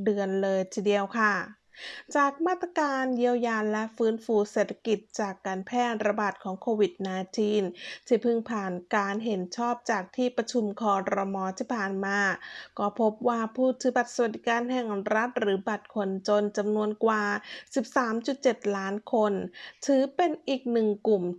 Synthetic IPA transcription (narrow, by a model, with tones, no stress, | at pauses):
dɯ˧ənlɤː˧jt̪ʰiː˧˩di˧əwkʰa˥˩ | t͡ɕaː˨˩k̚maː˥˩t̪ːɾa˧kaː˧nji˧əwjaː˧nlɛ˦˥ʔfɯː˦˥nfuː˧seː˨˩t̪ʰːḁ˧ki˨˩t̪̚t͡ɕaː˨˩kːaː˧npʰɛː˥˩t̪̚ɾa˧baː˨˩t̪̚kʰɔː˩˦ŋkʰoː˧wi˨˩t̪̚naː˧jt͡ɕʰiː˧nt̪ʰiː˥˩pʰɯ˥˩ŋpʰaː˨˩nkaː˧nɦe˩˦nt͡ɕʰɔː˥˩p̚t͡ɕaː˨˩k̚t̪ʰiː˥˩pɾa˧t͡ɕʰu˧mkʰɔː˧ɾɔ˧mɔː˧t̪ʰiː˥˩pʰaː˨˩nmaː˧kɔː˥˩pʰo˦˥p̚waː˥˩pʰuː˥˩t̪ʰːɯː˩˦ba˨˩t̪̚sa˧wa˨t̪̚d̪i˨˦kaː˧nɦɛ˨˩ŋɾa˦˥t̪̚ɾɯː˩˦ba˨˩t̪̚kʰo˧nt͡ɕo˧nt͡ɕa˧mnu˧ənkwaː˨˩si˨˩p̚saː˩˦mt͡ɕu˨˩t̪̚t͡ɕe˨˩t̪̚laː˦˥nkʰo˧nt̪ʰɯː˨˩˦pe˧nʔiː˨˩k̚nɯ˨˩ŋku˨˩m